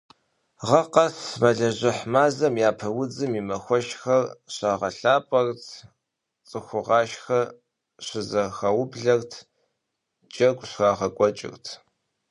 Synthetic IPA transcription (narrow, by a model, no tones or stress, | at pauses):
ʁɐqɐsmɐɮɐʑɪħmaːzɐmjaːpʰɐwʊd͡zɨmiːmɐxʷɔʃxɐrɕaːʁɐɬaːpʼɔrtʰ | t͡sʼɨxʷʊʁɑːʃxɐ | ɕɪzɐxɐwʊbɮɐrtʰ | t͡ʃʼɐɡʷʼɕxaːʁɐkʷʼɔt͡ʃʼɪ̰rtʰ